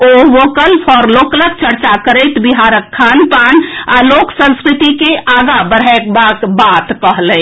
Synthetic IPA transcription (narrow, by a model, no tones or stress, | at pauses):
oʋokəlpʰɔɾloklək̚t͡ʃəɾt͡ʃakəɾəjt̪biɦaɾəkʰːanpanaloksə̃nskɾit̪ikeʔaɡabəɾɛkbakbat̪kəɦlə̃